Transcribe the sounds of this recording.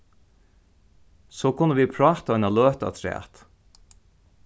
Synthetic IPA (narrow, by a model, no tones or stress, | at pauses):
soːkʰʊnːəʋiːpʰɹɑːt̪ɑɑnaløːt̪a̰t̪ʰɾɛ̰ːt̪